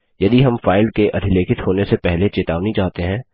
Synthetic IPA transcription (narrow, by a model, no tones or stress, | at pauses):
jɐd̪iɦɐmfaːɪlkeʔɐd̪ʱɪleːkɪt̪ɦoːnesepɛɦlet͡ʃet̪aːʋnit͡ʃaːɦt̪eɦɛ̃ː